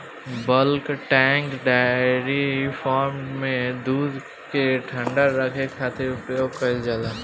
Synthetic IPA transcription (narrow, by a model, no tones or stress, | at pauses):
bəlkʈɛ̃ːŋkɖaːɾifʰɔːɾmmẽd̪uːd̪ | keʈʰə̃ɳɖaɾəkʰekʰaːt̪ɪɾpɾəjoːɡkəld͡ʒaːlaː